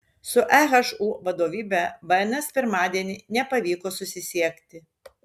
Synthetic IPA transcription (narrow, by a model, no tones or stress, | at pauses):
sʊʔæɣɐʃuːʋɐd̪oːʋʲiːbʲɛʋɐnɐspʲɪɾmɑːd̪ʲiɛnʲɪnʲɛpɐʋʲiːkoːsʊsʲɪsʲiɛkt̪ʲɪ